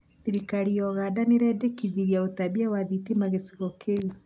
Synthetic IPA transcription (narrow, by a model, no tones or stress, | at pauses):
θiɾikaɾiɔɣadaneɾɛdekiðiɾjaotabiɛwaðitimaɣesiɣɔkʰei